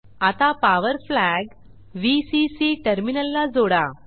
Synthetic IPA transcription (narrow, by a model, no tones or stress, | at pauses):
at̪apaʋəɾflæɡ | ʋisisiʈəɾminəlːad͡zoɽa